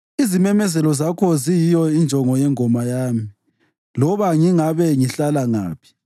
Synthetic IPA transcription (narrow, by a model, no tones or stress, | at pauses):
izimɛmɛzɛlɔzakʰɔzijijɔind͡ʒʱɔŋɔjɛŋʱɔmajaːmii | lɔβaŋiŋaβɛŋiɬalaŋa̰ːpʰi̥